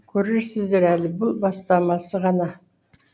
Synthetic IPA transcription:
kʲʰɵɾeɾsɪzd̪e̞ɾælɪbʊlˠbɑst̪ɑmɑsəʁɑnɑ

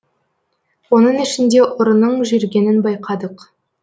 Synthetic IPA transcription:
wo̞nəɴɪʃɪnd̪e̞ʔʊɾənəɴʒeɾɡʲe̞nɪnbɑjqʰɑd̪əq

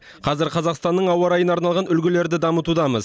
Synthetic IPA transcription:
qʰɑzɪɾqʰɑzɑqst̪ɑnːəɴɑwɑɾɑjənɑɾnɑlˠʁɑnʏlɡʲɪle̞ɾd̪ɪd̪ɑmət̪ud̪ɑməz

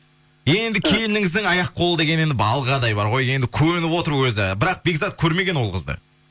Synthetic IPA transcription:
je̞nd̪ɪkʲʰe̞lɪnɪŋɪzd̪ɪŋɑjɑqːʰo̞lˠəd̪e̞ɡʲene̞nd̪ɪbɑlˠʁɑd̪ɑjbɑɾʁo̞je̞nd̪ɪkʲʰɵɾɪnɪpwo̞t̪əɾwɵzɪbɪɾɑq̚be̞ɡzɑt̪̚kʲʰɵɾme̞ɡʲe̞nwolˠqʰə̰zd̪ə̰

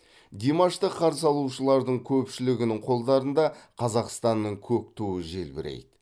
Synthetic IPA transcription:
d̪ʲemɑʃt̪əqʰːɑɾs̬ɑlˠuʃəlˠɑɾd̪əɴkʲʰɵpʃɪlɪɡʲɪnɪŋqʰo̞lˠd̪ɑɾənd̪ɑqʰɑzɑqst̪ɑnːəɴkʲʰɵk̚t̪ʰuəʒe̞̰lbɪ̰ɾḛjd̪ɪ

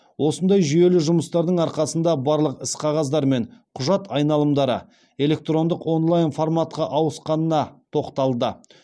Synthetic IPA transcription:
wʔo̞sənd̪ɑjʒʏje̞lɪʒʊməst̪ɑɾd̪əɴɑɾqɑsənd̪ɑbɑɾlˠəqɪsqʰɑʁɑzd̪ɑɾme̞ɴqʰʊʒɑt̪ɑjnɑlˠəmd̪ɑɾə̰ | e̞le̞k̚t̪ro̞nd̪əqwo̞nlˠajnformat̪̚qɑʔɑwəsqɑnənɑt̪ʰo̞qt̪ɑlˠd̪ə

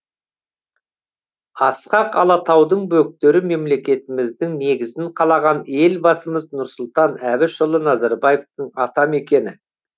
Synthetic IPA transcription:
ɑsqɑqɑ̰lˠɑt̪ɑwd̪əɴbɵk̚t̪e̞ɾɪme̞mle̞kʲe̞t̪ɪmɪzd̪ɪŋne̞ɡʲɪzɪɴqʰɑlˠɑʁɑne̞lbɑsəməznʊɾsʊlˠt̪ɑnæbɪʃʊlˠənɑzɑɾbɑjeft̪əɴɑt̪ɑme̞kʲe̞nɪ

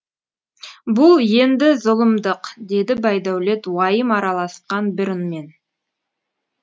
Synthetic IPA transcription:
bʊlˠje̞nd̪ɪzʊlˠəmd̪əqd̪e̞d̪ɪbɑjd̪æwle̞t̪wɑjəmɑɾɑlˠɑsqɑnbɪɾənme̞n

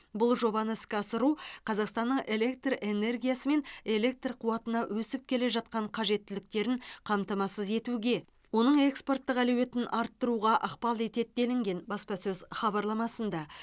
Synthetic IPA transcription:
bʊlˠʒo̞bɑnəskʲɑsəɾuqʰɑzɑqst̪ɑnːəɴe̞lʲe̞k̚t̪re̞ne̞rɡʲijasəme̞ne̞le̞k̚t̪rqʰuwɑt̪ənɑwʔɵsɪp̚kʲʰe̞le̞ʒɑt̪̚qɑɴqʰɑʒe̞t̪ːɪlɪk̚t̪e̞ɾɪŋqʰɑmt̪ɑmɑsəze̞t̪uɡʲe̞ | wo̞nəɴe̞kspo̞rt̪ːəqælewe̞t̪ɪnʔɑɾt̪ːəɾuʁɑʔɑqpɑlˠe̞t̪et̪̚d̪e̞lɪŋɡʲe̞nbɑspɑsɵzχɑbɑɾlˠɑmɑsənd̪ɑ

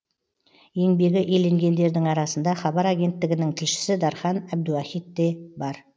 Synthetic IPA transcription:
je̞ŋbe̞ɡʲɪʔe̞le̞ŋɡʲe̞nd̪e̞ɾd̪ɪŋɑɾɑsənd̪ɑχɑbɑɾɑɡʲe̞nt̪ːɪɡʲɪnɪŋt̪ʰɪlʃɪ̥sɪd̪ɑɾχɑnæb̚d̪uwæχijt̪ːe̞bɑɾ

